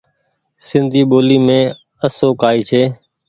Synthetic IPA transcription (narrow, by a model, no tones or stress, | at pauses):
sɪnd̪ʱiːɓoːliːmẽː | əsoːkaːiːt͡ʃʰeː